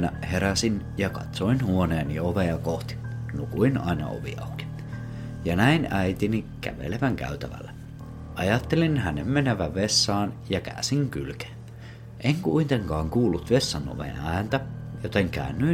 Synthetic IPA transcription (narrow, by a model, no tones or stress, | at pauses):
næheɾæsin | jɑkɑ̰t̪soinhuoneːnioʋeɑkoht̪i̥nukuinɑ̰inɑ̰o̰ʋḭɑ̰uki̥ | jɑnæinæit̪inikæ̰ʋḛleʋæŋkæ̰yt̪æ̰ʋæ̰lːæ | ʔɑjɑt̪ːelinhænemmenæʋæʋesːɑːnjɑkæ̰ːsiŋkylke̥ːn | ʔeŋkuint̪eŋkɑːŋkuːlːut̪ʋesːɑno̰ʋḛnæːnt̪æjot̪eŋkæ̰ønːy